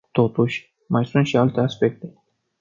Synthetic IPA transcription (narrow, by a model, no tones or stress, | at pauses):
t̪o̞t̪uʃʲ | majsunt̪ʃialt̪e̞aspe̞k̚t̪e̞